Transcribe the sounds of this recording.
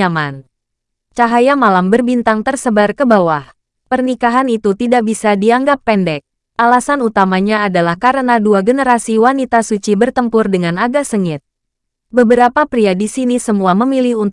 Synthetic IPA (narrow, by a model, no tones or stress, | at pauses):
aman | t͡ʃaɦajamalambərbint̪aŋt̪ərsəbarkəbawah | pərnikaɦanit̪ut̪idaʔbisadiaŋɡapːɛndɛk̚ | ʔalasanut̪amaɲaːdalahkaɾənaduaɡənəɾasiwanit̪asut͡ʃibərt̪əmpʊrdəŋanaɡasəŋɪt̪̚ | bəbəɾapapɾiadisinisəmuaməmilihun